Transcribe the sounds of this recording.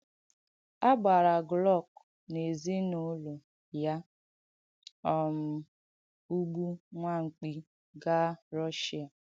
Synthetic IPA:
a˦ɡ͡ba˨ɾa˨ɡlɔ˦˨k̚ | ne˨zi˦no˦lo˨ | ja˦ | ɔ˨m̩˨ | u˦ɡ͡bu˦ŋʷa˦ŋ̩˨k͡pi˦ | ɡa˦ɾɔ˦ʃi˦a˨

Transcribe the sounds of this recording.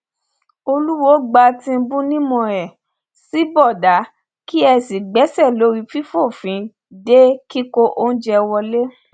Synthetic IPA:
o˧lu˦wo˦ɡ͡ba˧tĩ˧˦bũ˦nĩ˦mɔ̃˧ɾɛ˨ | si˨˦bɔ˦˨da˨˦ | ki˦ɛ˧si˨ɡ͡bɛ˨˦sɛ˦˨lo˨˦ɾi˧fi˦fo˦˨fĩ˨˦ | de˦ki˦ko˦ʔo˦n̩˦d͡ʒɛ˧wɔ˧le˦

